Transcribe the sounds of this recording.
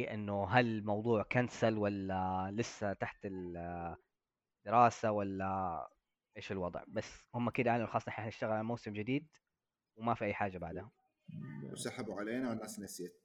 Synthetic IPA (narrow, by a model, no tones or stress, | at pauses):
ʔɪ̰nːʊɦalmɑwðˤuːʕkansalwalːalɪsːat̪aħt̪ɪl | d̪̥ɪɾɑːsawalːa | ʔeːʃɪlwɑd̪ˤʕbasːhʊmːʔakiːd̪ʔaʕlmxɑːsˤːnʔɪħnaħnɪʃt̪aɣlʕalmoːsɪmd͡ʒɪd̪iːd̪ | wmafiʔajːħaːd͡ʒːabaʕd̪hʊm | wsaħabuʕaleːnanːaːsnaseːt̪̚